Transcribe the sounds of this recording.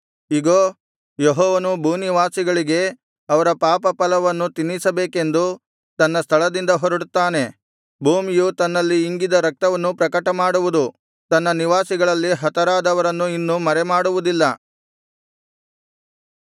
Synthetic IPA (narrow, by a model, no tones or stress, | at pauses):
iɡoː | jeɦɔːʋɐnubʱuːniʋaːsiɡɐɭiɡe̞ | ɐʋɐɾɐpaːpɐpɐlɐʋɐnːut̪inːisɐbeːke̞nd̪u | t̪ɐnːɐst̪ʰɐɭɐd̪ind̪ɐɦoɾuɽut̪ːaːne̞ | bʱuːmijut̪ɐnːɐlːiːŋɡid̪ɐɾɐk̚t̪ɐʋɐnːupɾɐkɐʈɐmaːɽuʋud̪u | t̪ɐnːɐniʋaːsiɡɐɭɐlːiɦɐt̪ɐɾaːd̪ɐʋɐɾɐnːuinːumɐɾemaːɽuʋud̪ilːɐ